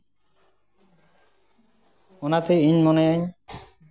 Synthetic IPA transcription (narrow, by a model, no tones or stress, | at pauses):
onat̪eiɲmoneaɲ